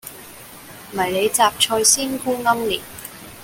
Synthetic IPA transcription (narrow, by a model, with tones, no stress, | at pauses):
m̩˨ɐ˨˩jle˨˧jt͡saː˨p̚t͡ʃʰɔː˧jsiː˥nkuː˥ŋɐ˥mliː˨˩t̚